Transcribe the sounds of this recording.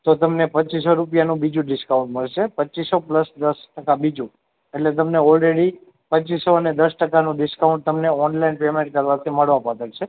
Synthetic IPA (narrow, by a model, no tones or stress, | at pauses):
t̪ot̪əmnepət͡ʃisoɾupjanũbid͡ʒũɖɪskaũɳʈməɭʃepət͡ʃisopləsd̪əsʈəkabid͡ʒũ | eʈlet̪əmneɔlɾeɽi | pət͡ʃisoəned̪əsʈəkanũɖɪskaũɳʈ̚t̪əmneɔnlainpemẽɳʈ̚kəɾʋat̪ʰiməɭʋãpat̪əɽt͡ʃʰe